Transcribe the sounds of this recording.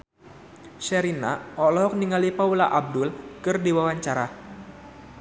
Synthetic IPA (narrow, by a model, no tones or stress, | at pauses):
ʃɛɾina̰ʔɔlɔɦɔk̚niŋalipaulaʔab̚dʊlkɨrdiwawaɲt͡ʃaɾa